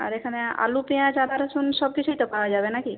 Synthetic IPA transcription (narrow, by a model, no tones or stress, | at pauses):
a̰ɾekʰanea̰lupijãt͡ʃad̪ʱaɾsunsɔb̚kit͡ʃʰuit̪ɔpaɦad͡ʒaːbenaki